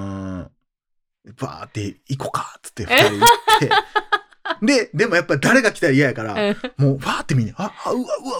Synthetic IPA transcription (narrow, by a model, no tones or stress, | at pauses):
ɯ̃ | ba̰ːt̪ːe̞ikokḁt͡sɨ̥t̪ːeɸɯ̥t̪aɾet̪ːe | d̪e̞d̪e̞mo̞japːaid̪aɾe̞ɡakʲi̥t̪aijajakaɾa̰moːβaːt̪ːe̞mʲiɲeaɯaɯa